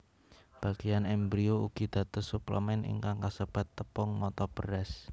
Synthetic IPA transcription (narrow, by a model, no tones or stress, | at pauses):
b̥ä̤ɡ̥ijanɛmbɾiouɡ̥id̪̥ä̤t̪ɔsuplə̰mɛnʔḭŋkaŋkasəb̥a̤t̪ːəpɔŋmɔt̪ɔb̥əɾɛs